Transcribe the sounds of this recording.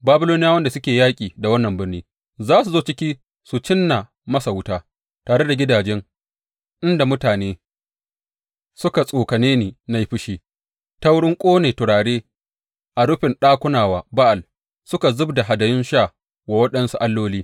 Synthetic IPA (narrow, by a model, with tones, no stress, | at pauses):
baː˦bʊ˦loː˦nɪ˦ja˦wɐ˦nda˨sʊ˦kʲeː˨jaː˦kʲʼiː˨da˨wɐ˦nːɐ˨mbɪ˦rniː˦ | zaː˦su˨zoː˦t͡ʃɪ˦kʲiː˦ | su˨t͡ʃɪ˦nːa˨ | mɐ˦sa˨wʊ˦taː˦ | taː˨ɽe˦da˨ɡʲɪ˦daː˨d͡ʒɛ˦ŋ | ʔɪ˦nda˨mʊ˦taː˨neː˦ | sʊ˦ka˨sʼoː˨kɐ˨neː˦niː˨na˦ji˦ɸɪ˦ʃiː˦ | ta˦wɽɪ˦ŋkʷʼoː˦neː˨tʊ˨ɽaː˨ɽeː˦ | ʔa˨ɽʊ˦ɸɪ˨nɗaː˦kʷʊ˦naː˨waː˨ba˦ʔa˨l | sʊ˦ka˨zʊ˦bda˨ɦa˨dɐ˨jɪ˦nʃaː˦˨ | wa˨wɐ˦ɗɐ˦nsu˦ʔa˦lːoː˦liː˦